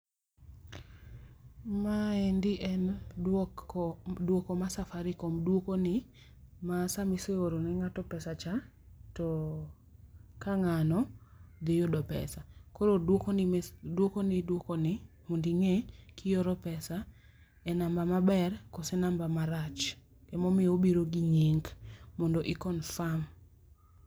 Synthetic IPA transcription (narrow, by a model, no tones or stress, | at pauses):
maendɪʔɛn | dwokomasafaɾɪkomdwokonɪ | masamiseoɾonɛŋatɔpɛsat͡ʃa | tɔ | kaŋanɔd̪ɪjodɔpɛ̰sakoɾodwokondwokonɪdwokonɪ | mondiŋekʰɪjoɾɔpɛsa | ɛnambamabɛrkosɛnambamaɾat͡ʃ | kɛmɔmɪobiɾoɡiɲiŋɡmɔndɔʔɪkɔnfam